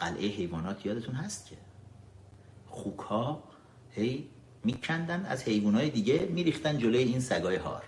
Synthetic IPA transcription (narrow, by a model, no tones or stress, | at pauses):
ɢ̥ælʔejeɦe̞jvɒːnɒːt̪ʰjɒːd̪et̪ʰuːnɦæst̪̚cʰe | χuːkʰhɒː | hej | miːcʰænd̪ænd̪æ̰zhe̞jbuːnhɒːjed̪iːɟemiːɾiːxt̪ænd̪d͡ʒolojeiːnsæɡɒːjeɦɒ̰ːɾ